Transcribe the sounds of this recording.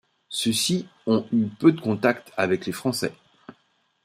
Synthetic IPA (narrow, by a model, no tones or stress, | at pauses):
søsiɔ̃ypød̪əkɔ̃t̪akt̪ʰavɛklefχɑ̃sɛ̰